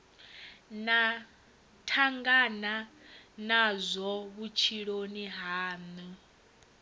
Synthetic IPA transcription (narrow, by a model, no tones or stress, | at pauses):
na | tʰaŋɡananazʷɔβut͡ʃʰiɺoniɦaːni